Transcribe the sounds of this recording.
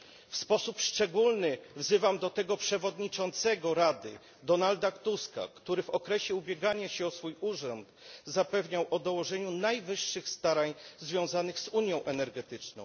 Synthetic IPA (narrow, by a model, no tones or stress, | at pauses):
fspɔsupʂt͡ʂɛɡulnɘvzɘvamd̪ɔt̪ɛɡɔpʂɛvɔd̪ɲit͡ʂɔnt̪sɛɡɔɾad̪ɘ̰ | d̪ɔnald̪akt̪uska̰kt̪uɾɘvɔkɾɛɕɛubʲjɛɡaɲaɕɛɔsfujuʐɔnt̪zapɛvɲawʔɔd̪ɔwɔʐɛɲunajvɘʂːɘxst̪aɾaɲzvʲjɔ̃w̃zanɘɣzuɲjɔ̃w̃ʔɛnɛɾɡɛt̪ɘt͡ʂnɔ̰̃w̃